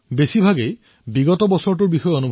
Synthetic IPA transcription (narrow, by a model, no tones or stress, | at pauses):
besibʱaɡej | biɡɔtɔbɔsɔɹt̬uɹbixɔjonubʱ